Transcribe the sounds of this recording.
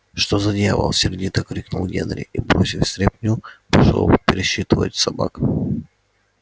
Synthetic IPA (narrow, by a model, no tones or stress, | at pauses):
ʂt̪ozɐdʲevˠə̰lˠsʲɪrʲdʲit̪ɐkɾʲiknulˠɡʲenɾʲɪ̰ʔibɾosʲɪfsʲt̪ɾʲepʲnʲupɪʂo̰pʲɪɾʲɪɕit̪ɨvə̰tʲsɐba̰k